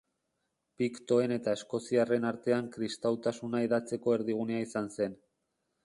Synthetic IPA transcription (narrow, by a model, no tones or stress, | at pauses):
pikt̪o̞e̞ne̞t̪aesko̞siare̞naɾt̪e̞aŋkɾist̪awt̪asunaeðat͡se̞ko̞e̞ɾðiɣ̞uneaisanse̞n